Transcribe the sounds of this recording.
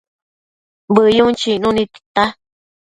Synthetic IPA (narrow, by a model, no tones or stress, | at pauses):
bɨjũt͡ʃinũnĩt̪i̥t̪a